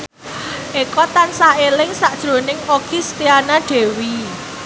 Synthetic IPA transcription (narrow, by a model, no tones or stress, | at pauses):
ʔekɔt̪ansaelɪŋsaʔd̥ʒ̥ɾo̤nɪŋoɡ̥ist̪ianaɖ̪̥e̤wi